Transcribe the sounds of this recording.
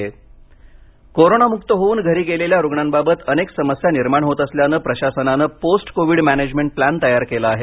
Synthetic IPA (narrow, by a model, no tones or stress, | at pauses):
koɾonamukt̪əɦouːnɡʱəɾiːɡeleljaɾoɡɳanbabət̪əneksəməsjaniɾmaɳɦot̪əsljanəpɾəɕasənanəposʈkoʋiːɽmæned͡ʑmeɳʈ̚plænt̪əjaɾkelaːɦe